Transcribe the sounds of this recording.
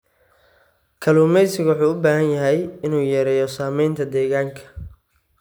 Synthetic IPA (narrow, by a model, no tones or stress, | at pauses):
kʰɐluːmɛjsɪɣwʊħuːʊbaːhɐnjɐɦɛjɪnuːjɛːɾɛːjɔsaːmɛjnt̪ʰɐd̪ɛːɣaːŋkʰɐ̥